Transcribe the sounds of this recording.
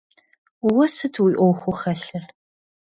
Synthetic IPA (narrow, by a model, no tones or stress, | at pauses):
wɐsɨtʰwiːʔʷɔwxʷʊχɐɬɨr